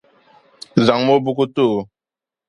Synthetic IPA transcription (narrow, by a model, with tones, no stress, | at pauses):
za˨ŋmo˦bu˦ku˦tu˦˨